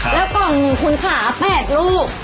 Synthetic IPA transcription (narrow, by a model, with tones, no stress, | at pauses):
lɛː˦˥wkɔ˨˩ŋu˨˧˩kʰu˧nkʰaː˩˦pɛː˨˩t̪̚luː˥˩k̚